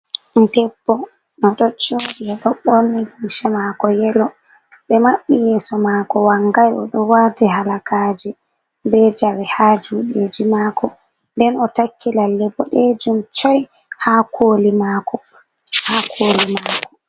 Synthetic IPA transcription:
ndɛbːɔ | nɔɗɔd͡ʒoɗiɛɗɔɓɔndumʃɛmakɔjɛlɔ | ɓɛmaɓːijɛsɔmaːkɔwaŋɡajɔ̰ɗɔwaːtɛɦalakad͡ʒɛ | bɛd͡ʒawɛhad͡ʒuɗed͡ʒimaːkʰɔ | ndɛnɔtakʰːilalːɛbɔɗɛd͡ʒumt͡ʃɔj | hakʰolimakɔ | haːkʰoːlimakɔ̥

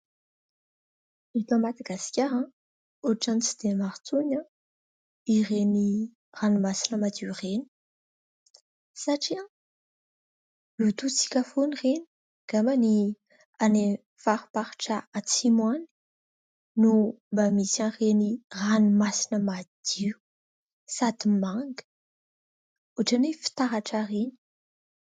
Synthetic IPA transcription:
et̪ãmad̪aɡaskʲaɾã | uaʈ͡ʂanit͡sid̪̥emaɾt͡suɲa | ireni | ranimasinəmad̪ureni̥ | saʈ͡ʂiã | lut̪ut͡si̥kʲafonireni̥ | ɡ̥amani | ane | faɾupaɾi̥ʈ͡ʂaat͡simwani̥ | numbamisãreniranumasinəmad̪̥iu | sad̪imaŋɡə̥ | uʈ͡ʂanefi̥t̪aɾaʈ͡ʂaɾeni̥

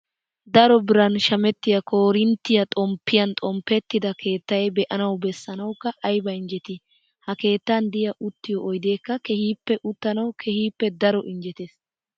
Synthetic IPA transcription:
d̪ɐɾɔbɪɾɐnʃɐmɛt̪ːɪjɐkʰoːɾɪnt̪ːɪjɐt̪ʼɔmpːɪjɐnt̪ʼɔmpːɛt̪ːɪd̪ɐkʰe̞ːt̪ːɐjbɛʔɐnɐwbɛsːɐnɐwkːɐʔɐjbɐɪnd͡ʒɛt̪ɪ | hɐke̞ːt̪ːɐnd̪ɪjɐʔʊt̪ːɪjɔʔɔjd̪e̞ːkːɐkɛhiːpːɛʔʊt̪ːɐnɐwkʰɛhiːpːɛd̪ɐɾɔʔɪnd͡ʒɛt̪eːs

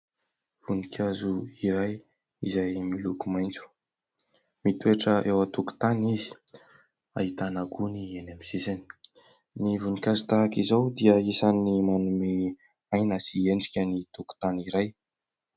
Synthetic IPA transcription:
vunikʲʰazuiɾaj | izajmilukumajnt͡su̥ | mit̪ueʈ͡ʂəʔewat̪uku̥t̪anizi̥ | a̰ɦit̪anaɡunienamisisani̥ | nivunikʲazut̪aɦakizawd̪iəisanːimanume | ajnasieɳɖ͡ʐikʲənit̪uku̥t̪aniɾaj

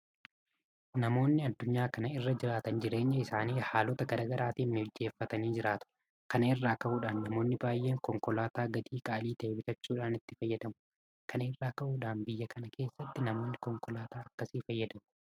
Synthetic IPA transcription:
nɐmo̞ːnːɪɐd̪ːʊɲːaːkɐnɐɪrːɐd͡ʒɪɾaːt̪ɐnd͡ʒɪɾe̞ːɲːɐɪsaːniːhaːlɔt̪ɐɡɐɾɐɡɐɾʔaːt̪iːnnɪɔd͡ʒːe̞ːfːɐt̪ɐniːd͡ʒɪɾaːt̪ʊ̥ | kɐnɐɪrːaːkɐʔuːᶑaːnːɐmo̞ːnːɪbaːjːe̞ːŋkɔŋkɔlaːt̪aːɡɐd̪iːkʼaʔːliːt̪ɐebɪt̪ɐt͡ʃːuːᶑaːnɪt̪ːɪfɐjːɐd̪ɐmʊ̥ | kʰɐnɪrːaːkɐʔuːᶑaːnbɪjːɐkʰɐnɐkʰe̞ːsːɐt̪ːɪnɐmo̞ːnːɪkɔŋkɔlaːt̪aːɐkːɐsiːfɐjːɐd̪ɐmʊ̥

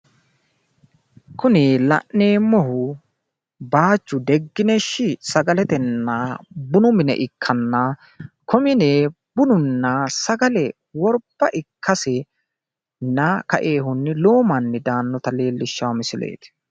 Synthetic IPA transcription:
kʊnɪlɐ̰ʔneːmɔɦʊ | baːt͡ʃːʊd̪ɛɡːɪnɛʃːɪsɐɡɐlɛt̪ɛnːɐbʊnʊmɪnɛ̰ʔɪkʰːɐnːɐ | kʰɔmɪneː | b̥ʊnʊnːɐsɐɡɐlɛ | wɔɾb̥ːɐʔɪkʰːɐsɛ | nɐkɐ̰ʔe̞ːhʊnːɪlo̞ːmɐnːɪd̪aːnːɔt̪ɐle̞ːlːɪʃːɐwmɪsɪlḛːt̪ɪ̥

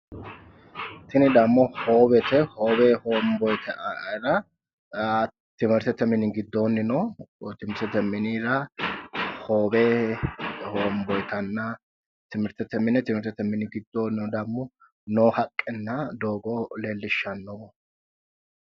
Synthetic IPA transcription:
t̪ɪnɪd̪ɐmːɔhoːbɛt̪ɛhoːbɛhoːmbɔjt̪ʰɛɾɐ | t̪ɪmɛɾt̪ɛt̪ːɛmɪnɪɡɪd̪ːoːnːɪnɔt̪ɪmɛɾt̪ɛt̪ːɛmɪniːɾɐ | hoːbɛ | hoːmbɔjt̪ʰɐnːɐ | t̪ɪmɪɾt̪ɛt̪ːɛmɪnːɛt̪ɪmɛɾt̪ɛt̪ːɛmɪnɪɡɪd̪ːoːnːɪnɔd̪ɐmːɔ | nɔːhɐkʼːɛnːɐd̪oːɡɔleːlːɪʃːɐnːɔ

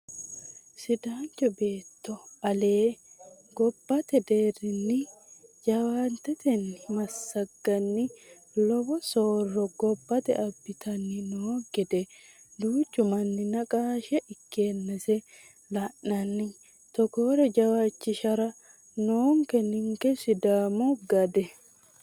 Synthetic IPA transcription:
sɪd̪aːnt͡ʃɔbe̞ːt̪ːɔɐle̞ː | ɡ̥ɔbːɐt̪ɛd̪eːrːɪnːɪd͡ʒɐwaːnt̪ɛt̪ɛnɪmɐsːɐɡːɐnːɪ | lɔbɔsoːrːɔɡɔbːɐt̪ɛ̰ɐbːɪt̪ʰɐnːɪnoːɡɛd̪ɛ | d̪uːt͡ʃːʊmɐnːɪnɐkʼaːʃɛʔɪkːeːnːɛsɛ | lɐʔːɐnːɪ | t̪ɔkoɾɛd͡ʒɐwaːt͡ʃːɪʃɐɾɐ | noːŋkɛnɪŋkɛsɪd̪aːmɔɡɐd̪ɛ

